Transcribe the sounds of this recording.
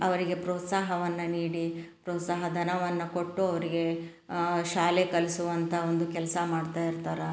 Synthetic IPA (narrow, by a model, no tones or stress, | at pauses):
ɐʋɐɾiɡe̞pɾoːt̪saːɦɐʋɐnːɐniːɽipɾoːt̪saːɦɐd̪ʱɐnɐʋɐnːɐko̞ʈːuɐʋɐɾiɡe̞ | ʃaːlekɐlisuʋɐnt̪ʰɐond̪ukɛlɐsɐmaːɖt̪aːjiɾt̪aːɾɐ